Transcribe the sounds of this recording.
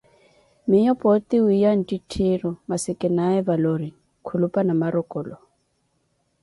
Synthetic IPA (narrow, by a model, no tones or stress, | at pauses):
mɪjɔpʼɔt̪iwijan̩titʰiɾɔmasɪkʼɪnaɛvaloɾi | kʰulupʼanamaɾɔkʼɔlɔ